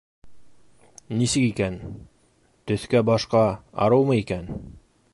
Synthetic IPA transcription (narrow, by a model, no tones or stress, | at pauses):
nisɘkikæn | t̪ɵ̆θkæbɑʃqɑɑ̰ɾɤwmɤikæn